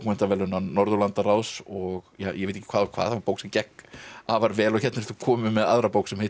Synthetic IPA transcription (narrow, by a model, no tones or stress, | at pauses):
kmɛn̥t̪avɛːlʏnːanɔɾðʏlant̪araːwsɔɣjajʔɛveɪt̪e̥jcːɪkʰvaːðkʰv̥aːðθapoːwksɛmcɛhkavaɾvɛːlɔçɛt̪nɪɾθʏkʰɔːmʏmɛða̰ðɾapoːwksɛmhejt